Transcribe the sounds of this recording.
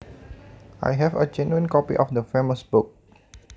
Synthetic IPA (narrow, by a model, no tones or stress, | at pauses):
ʔa̰jɦɛvəd͡ʒɛnuə̃nkɔpḭʔɔfdəfeməsbʊk̚